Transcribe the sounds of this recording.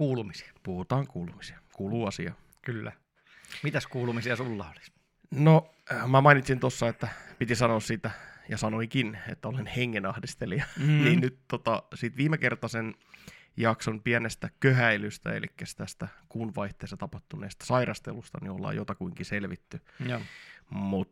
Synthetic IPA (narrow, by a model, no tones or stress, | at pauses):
kuːlumisi̥ɑpuhut̪ɑːŋkuːlumisi̥ɑ̥kuːluːɑsiɑ̰ | kylːæ̰ | mit̪æskuːlumisiɑsulːɑoli̥s | no | mæmɑinit̪sint̪osːɑet̪ːæpit̪isɑnoːssit̪æjɑsɑnoiŋkinḛt̪ːæolenheŋːenɑhdist̪eliɑniːnnyt̪t̪ot̪ɑsit̪ʋiːmekert̪ɑsen | jɑksonpiænest̪ækøhæilyst̪æ̰ḛlḭkːæst̪æst̪ækunʋɑiht̪eːst̪ɑt̪ɑpɑht̪unḛːst̪ɑ̥sɑiɾʔɑst̪ḛlust̪ɑ̰niolːɑ̰ːjot̪ɑkuiŋkiselʋit̪ːy | mut̪